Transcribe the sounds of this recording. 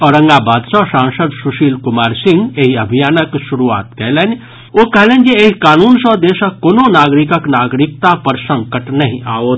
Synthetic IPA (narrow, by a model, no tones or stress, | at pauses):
ɔːɾə̃ŋɡabaːd̪sɔsãːnsəd̪suʃiːlkʊmaːɾsɪ̃ŋɡeɦiɐbʱijaːnəkʃuɾua̰ːt̪kɛɦlen | okɛɦleːnd͡ʒeeɦikaːnuːnsə̃d̪eːsəkoːnonaːɡɾikəknaːɡɾɪk̚t̪apəɾsə̃ŋkəʈnəɦĩʔaoːt̪